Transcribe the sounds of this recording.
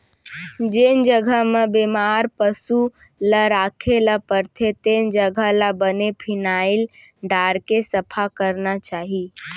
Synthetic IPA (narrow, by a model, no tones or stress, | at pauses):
d͡ʒend͡ʒəɡʱəmebemaːɾpəsu | laɾaːkʰelapəɾt̪ʰet̪end͡ʒəɡʱəlabənepʰɪnaːɪl | ɖaːɾkesəpʰakəɾnat͡ʃaːɦi